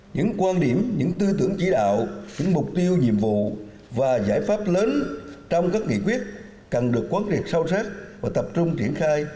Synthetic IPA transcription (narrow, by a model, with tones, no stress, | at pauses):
ɲɨ̰˧˥ŋkwaː˧nɗi˧˩əmɲɨ̰˧˥ŋt̪ɨ˧t̪ɨ˧˩əŋt͡ɕi˧˩ɗa̰ː˧˨wɲɨ̰˧˥ŋmʊ˨˩k͡p̚t̪i˧əwɲḭ˧˨əmvṵ˧˨ | vaː˨˩zaː˧˩jfaː˦˥p̚ləː˨˦nt͡ɕɔ˧wŋ͡mkaː˦˥k̚ŋḭ˧˨kwi˦˥ət̚ | kə˨˩nɗɨ˨˩əkːwaː˨˦nzi˨˩ək̚sa˧wsaː˦˥t̚vaː˨˩t̪ə˨˩p̚t͡ɕʊ˧ŋ͡mt͡ɕi˧˩ənxaː˧j